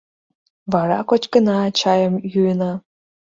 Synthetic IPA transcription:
βɑɾɑ̰kot͡ɕkə̆nɑːt͡ɕɑjə̆mjujənɑ

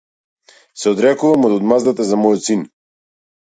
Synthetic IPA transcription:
sɛɔd̪ɾɛkuvamɔd̪ɔd̪mazd̪at̪ɛzamɔjɔt̪sin

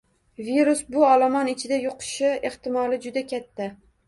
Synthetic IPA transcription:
viɾʊsbʊɒlamɒnɪt͡ʃʰɪd̪ajoqʰɨ̥ʃɪe̞ht̪ɪmɒlˠɪd͡ʒʊd̪akʲʰat̪ʰːa

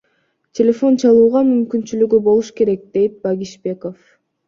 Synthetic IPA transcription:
tʲʰelʲe̞fo̞nt͡ʃʰɑlˠuːʁɑmymkynt͡ʃylyɡybo̞lˠuʃke̞ɾe̞k̚d̪e̞jt̪̚baɡʲiʃbe̞ko̞f

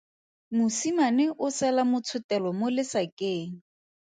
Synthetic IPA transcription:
mʊsimanɪʔʊsɛlamʊt͡sʰʊtɛlɔmolɪsakʼeːŋ̩

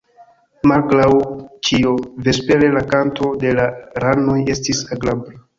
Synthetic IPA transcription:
malɡɾawt͡ʃiove̞spe̞ɾe̞lakanto̞de̞laɾano̞je̞stisaɡlabɾa

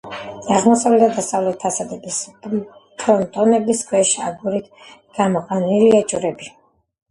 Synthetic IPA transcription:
aʁmɔsavlɛt̪ʰad̪ast̪ʼavlɛt̪̚ʰːasad̪ɛbis | pʰɾɔnt̪ʼɔnɛbiskʰwɛʃa̰ɡuɾit̪ʰɡ̥amɔqʼaniliɛt͡ʃʼuɾɛbi

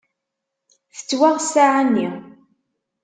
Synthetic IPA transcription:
θə̥t͡sːwaʁsaʕanːi

